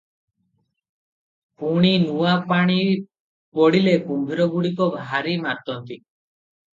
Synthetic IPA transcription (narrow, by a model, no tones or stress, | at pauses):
puɽ̃inuwapaɽ̃i | pɔɽilekumbʱiɾɔɡuɽik̬ɔbʱaɾimat̪ɔnt̪i